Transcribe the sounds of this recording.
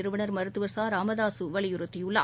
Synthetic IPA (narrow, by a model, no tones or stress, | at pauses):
ɪɾɯʋɐɳɐɾmɐɾɯt̪ːɯʋɐɾsaːɾaːmɐðaːsɯʋɐɭɪjʊɾɯt̪ːɪjɯɭːɐ̰